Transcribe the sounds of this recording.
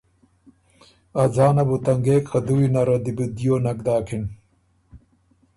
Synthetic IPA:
ɐzaːnɐbut̪ɐŋɡeːkʰɐd̪uwinɐɾɐd̪ibud̪ijoːnɐɡ̚d̪aːkʰin

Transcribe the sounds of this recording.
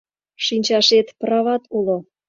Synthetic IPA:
ʃinʲt͡ɕɑʃet̪prɑβɑt̪ulo

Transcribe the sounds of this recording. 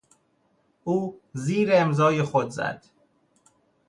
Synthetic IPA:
uːziːɾeemzɒːjexod̪zæ̰d̪̥

